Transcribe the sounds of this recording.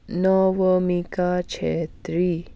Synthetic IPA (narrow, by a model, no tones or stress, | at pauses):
nɔʋəmikat͡ʃʰet̪ɾi